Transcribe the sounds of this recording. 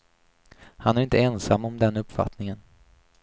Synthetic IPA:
hanæɾɪnt̪ʰəɛnsamːɔmd̪ɛnɵpfa̰t̪nɪŋən

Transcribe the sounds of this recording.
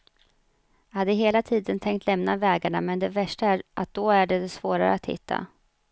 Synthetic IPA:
jahad̪ːəɦeːlat̪ʰiːd̪ənt̪ʰɛŋkt̪ʰlɛmnavɛːɡaɳamɛnd̪ɛvæʂʈaæʔat̪̚d̪̥ɔæɖɛd̪ɛsvoːɾa̰ɾə̰at̪hɪ̰t̪ʰːa̰

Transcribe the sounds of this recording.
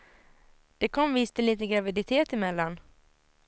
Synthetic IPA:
d̪̥ɛkʰɔmvɪst̪ʰɪliːt̪ənɡɾavɪd̪ɪt̪ʰeːt̪ɪmɛlːan

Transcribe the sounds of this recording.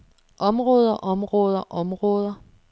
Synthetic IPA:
ʔɒ̽mʁɔːð̞ˠɐʔɒ̽mʁɔːðˠɐʔɒ̽mʁɔːð̞ˠɐ

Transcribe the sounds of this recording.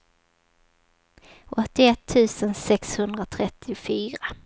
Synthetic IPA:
ʔɔt̪ːɪɛt̪ʰːʉ̟ːsənsɛkshɵnd̪ɾat̪ʰɾɛt̪ʰːɪfyːɾa

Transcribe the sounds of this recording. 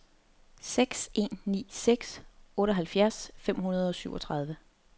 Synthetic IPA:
seɡ̥se̝̰nːḭːseɡ̥sɔ̽ːɾəɦælfjæɐsfem̰ɦunɐð̞ˠɒ̽syʊɒ̽t͡sʰʁɑ̈ð̞ˠʋə

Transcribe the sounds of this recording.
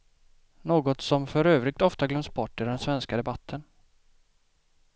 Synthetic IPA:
noːɡɔt̪sɔmfœɾøːvɾɪɡ̚t̪ɔft̪aɡlœmsbɔʈːɪɖɛnsvɛnskad̪ɛbat̪ʰːən

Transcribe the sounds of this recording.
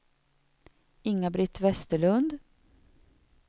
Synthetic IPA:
ɪŋːabɾɪt̪ːvɛst̪əɭɵnd̪

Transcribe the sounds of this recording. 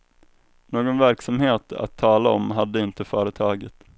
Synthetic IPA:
noːɡɔnvæɾksamheːt̪a̰t̪ʰːɑːlaɔ̰mɦad̪ːəɪnt̪əfœːɾət̪ʰɑːɡət̪

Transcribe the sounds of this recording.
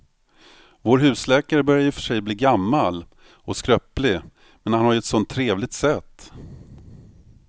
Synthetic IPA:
voːɾɦʉ̟ːslɛːkaɾəbœɾjajʏfœ̥ʂɛjbliːɡamːal | ɔskɾœplɪ | mɛnhanhaɾjɵɛt̪sɔnt̪ʰːɾeːvlɪɡ̚t̪sɛt̪ː

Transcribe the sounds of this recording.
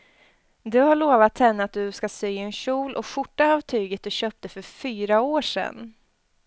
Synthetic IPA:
d̪ɵhaɭoːvat̪ʰːɛnːəat̪̚d̪ɵskasyːɛnɕuːlʔɔɧʊʈːaɑvt̪ʰyːɡət̪̚d̪ɵɕøːp̚t̪əfœɾfyːɾaoːʂɛ̰nː

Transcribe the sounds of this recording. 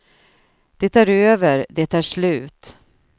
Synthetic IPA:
d̪̥ɛt̪ʰæːɾøːvəɾd̪ɛt̪æːʂlʉ̟ːt̪

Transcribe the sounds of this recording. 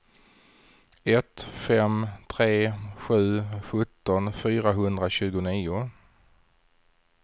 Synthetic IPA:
ɛt̪fɛmt̪ʰɾeːɧʉ̟ːɧɵt̪ːɔnfyːɾaɦɵnd̪ɾaɕʉ̟ːɡʊniːʊ

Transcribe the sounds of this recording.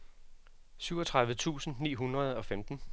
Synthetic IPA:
syʊɒ̽t͡sʰʁɑ̈ðˠʋət͡sʰṵːsn̩nḭːɦunʁɐð̞ˠɒ̽femd̥n̩

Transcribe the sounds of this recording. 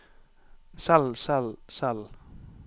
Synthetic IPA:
salsalsal

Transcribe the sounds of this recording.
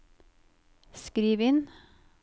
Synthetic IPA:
skɾiːʋɪn

